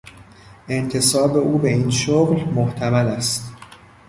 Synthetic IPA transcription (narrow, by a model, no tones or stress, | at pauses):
ʔe̞nt̪ʰe̞sɒːbe̞ʔuːbe̞iːnʃoɣlmoht̪ʰæmælæst̪